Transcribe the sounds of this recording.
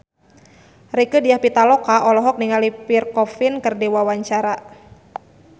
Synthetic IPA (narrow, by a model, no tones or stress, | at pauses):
rikədiahpit̪alɔkaʔɔlɔɦɔk̚niŋalipirkɔfinkərdiwawaɲt͡ʃaɾa